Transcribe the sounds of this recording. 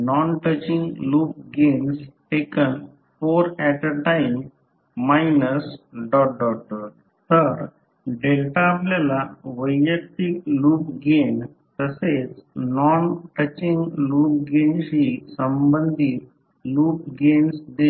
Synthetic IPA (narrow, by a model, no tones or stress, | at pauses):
nɔnʈət͡ɕĩŋɡluːp̚ɡensʈekən | foɾɛʈəʈaɪmː | ajnəsɖɔʈ̚ɖɔʈ̚ɖɔʈ | t̪əɾ | ɖelʈaːplalaʋəjːək̚t̪ikluːpɡen | t̪əset͡snɔnʈət͡ɕĩŋɡluːp̚ɡensisəmbənd̪ʱit̪̚ | luːp̚ɡensd̪e